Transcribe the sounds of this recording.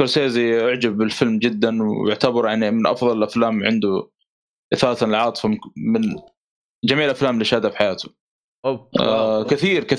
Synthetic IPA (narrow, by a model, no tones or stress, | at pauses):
ʊɾseːziʔʊʕd͡ʒabːɪlfɪlmd͡ʒɪd̪ːanwʊ̰ʕt̪abɑɾˤjaʕnimɪnʔɑ̰fðˤɑlɪlʔaflaːmʕɪnd̪u | ʔɪθaːt̪anɪlʕɑːt̪ˤɨ̥famɪn | d͡ʒamiːʕlʔaflaːmlɪʃaːd̪afħajaːt̪ʊ̥ | kɪθiːɾkɪ